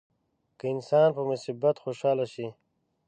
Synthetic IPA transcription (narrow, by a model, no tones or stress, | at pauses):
kəinsaːnpəmusibːɐt̪xoʃaːlaʃi